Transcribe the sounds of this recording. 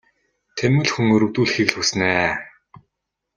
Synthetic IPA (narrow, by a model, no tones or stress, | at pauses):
t̪ʰemɘ̆ɮxuŋɵɾɵwt̪uːɮxiːɣɮxusnæː